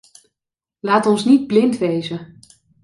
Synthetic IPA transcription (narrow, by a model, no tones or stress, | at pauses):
laːtɔnsnid̚blɪntʋejzə